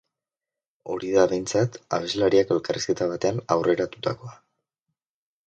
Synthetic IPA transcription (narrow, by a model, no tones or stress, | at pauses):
o̞ɾiðaβe̞jnt͡sat̪a̰βe̞zlaɾiake̞lkariske̞t̪aβ̞at̪e̞anawrʔe̞ɾat̪ut̪ako̞a